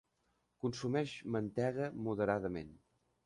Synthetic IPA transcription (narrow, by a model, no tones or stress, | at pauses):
kunsumɛʃmənt̪ɛɣəmuðəɾaðəmḛn